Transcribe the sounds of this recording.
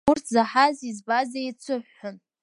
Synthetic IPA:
urtʰzaħazizbazejt͡sʷʰɨħːʊn

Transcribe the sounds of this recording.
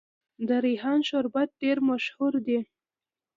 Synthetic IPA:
d̪əɾiɦɑnʃʊɾbat̪̚ɖeɾmaʃhuɾd̪e

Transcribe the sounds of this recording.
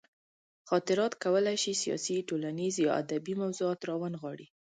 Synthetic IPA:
xɑt̪ɪɾɑt̪kawəlajʃisijɑ̰siʈolanizjɑa̰d̪abimawzuɑt̪ɾɑwanɣwɑɽi

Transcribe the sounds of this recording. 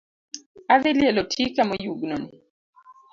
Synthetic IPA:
aðɪljɛlɔtʰikamɔjuɡnɔni

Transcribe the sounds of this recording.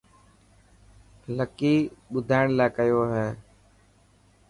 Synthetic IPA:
ləkiːɓʊd̪ʱaːɪɳlaːkəjoːɦɛː

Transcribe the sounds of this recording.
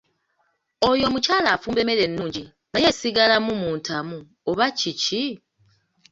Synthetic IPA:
o̞jo̞ːmucaːlaːfuːmbe̞me̞ɾe̞nːuːɲɟi | naje̞siɡalamumuːntʰamu | oβacici

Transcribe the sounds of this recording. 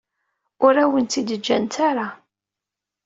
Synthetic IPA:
ʊɾæwənt̪id̪əd͡ʒːæ̰nt̪aɾa

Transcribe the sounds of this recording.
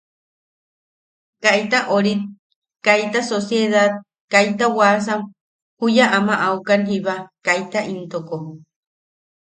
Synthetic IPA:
kait̪aʔoɾit̪̚ | kajt̪asosjeðat̪̚ | kajt̪awas̬am | hujaʔamaʔaukanɦiβakajt̪aʔint̪oko

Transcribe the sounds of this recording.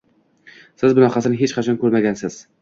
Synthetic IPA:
sɪzbʊnɒqɑsɪnɪɦet͡ʃqʰɑt͡ʃʰɒnkʰɵɾmaɡʲansɪz̥

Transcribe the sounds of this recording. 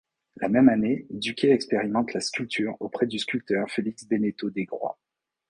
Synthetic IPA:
la̰mɛmaned̪ykʲeɛkspeʁimɑ̃t̪laskʲylt̪ʰyʁopχɛd̪yskʲylt̪œʁfeliksbenet̪od̪eɡʁwa̰

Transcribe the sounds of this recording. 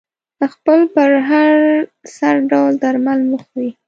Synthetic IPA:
əxpəlpəɾɦaɾsaɾɖawld̪aɾmalməxwi

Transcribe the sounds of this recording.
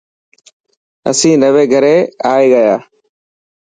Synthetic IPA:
ə̰sĩːnəʋeːɡʱəɾeːaːeːɠəjaː

